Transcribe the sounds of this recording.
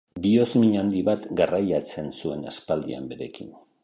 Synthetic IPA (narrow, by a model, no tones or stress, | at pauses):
bio̞zmiɲand̪iβat̪ɡarajat͡se̞nsue̞naspald̪ia̰mbe̞ɾe̞kḭn